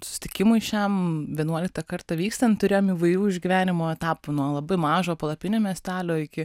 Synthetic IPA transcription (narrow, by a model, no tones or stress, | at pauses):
sʊsʲɪ̥t̪ʲɪkʲɪmʊɪʃʲɛmʋʲiɛnuɔlʲɪk̚t̪ɐkɐrt̪ɐʋʲiːkst̪ɐnt̪t̪ʊɾʲeːjoːmiːʋɐɪjuːɪʒʲɡʲɪʋʲæːnʲɪmoːɛt̪ɑːpunuɔlˠɐbɐɪmɑːʒoːpɐlˠɐpʲɪnʲoːmʲiɛsʲt̪ʲæːlʲoːɪkʲɪ